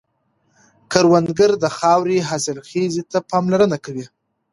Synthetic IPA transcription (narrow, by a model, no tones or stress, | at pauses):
kaɾwand̪ɡəɾd̪əxɑwɾeɦɑsɪlxezit̪apɑmlaɾənakawi